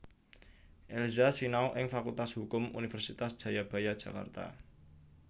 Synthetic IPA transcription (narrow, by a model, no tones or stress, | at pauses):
ʔelzasinaoʔɪŋfakult̪ashukʊmṵnifɛrsit̪asd̥ʒ̥a̤jab̥a̤jad̥ʒ̥ä̤ka̰rt̪a̰